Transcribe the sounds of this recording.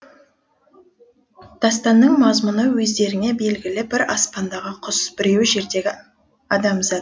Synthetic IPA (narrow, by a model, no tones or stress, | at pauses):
d̪̥ʰɑst̪ɑnːəɴmɑzmʊnəwɵzd̪e̞ɾɪne̞be̞lɡʲɪlɪbɪɾɑspɑnd̪ɑʁəqʰʊsb̥ɪɾewʒe̞ɾd̪e̞ɡʲɪ | ɑd̪ɑmzɑt̪